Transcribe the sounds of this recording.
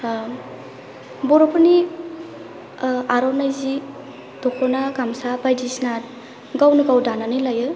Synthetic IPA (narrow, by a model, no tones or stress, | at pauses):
bɔɾɔpʰɯni | aɾɔnajzi | d̥ɔkʰɔnaɡamsabajdisnat̚ | ɡawnɯɡawdananɯlajɯ